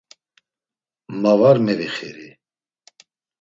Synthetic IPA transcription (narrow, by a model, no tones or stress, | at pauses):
mavaɾmɛɾiχɛɾi